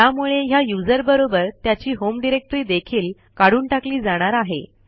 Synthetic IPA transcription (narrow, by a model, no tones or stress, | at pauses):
jamuɭeɦjajud͡zəɾbəɾobəɾt̪jat͡ɕiːɦomɖiɾek̚ʈɾiːd̪ekʰiːl | kaɽ̤uːɳʈakliːd͡zaɽ̃aɾaɦḛ